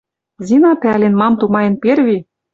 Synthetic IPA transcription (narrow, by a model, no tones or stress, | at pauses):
zʲinɑp̪ælʲenmɑmt̪umɑjĕnperβi